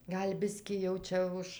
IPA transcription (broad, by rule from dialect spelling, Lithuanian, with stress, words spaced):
ˈɡɐlʲ ˈbʲɪsʲkʲiː jɛʊ ˈt͡ʃʲɛ ʊʃ